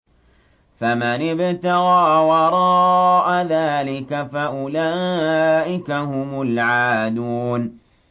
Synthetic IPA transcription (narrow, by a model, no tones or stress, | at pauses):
famanɪbt̪ɑɣaːwɑɾˤɑʔaðaːlɪkafaʔʊlaːʔɪkaɦʊmʊlʕaːd̪uːn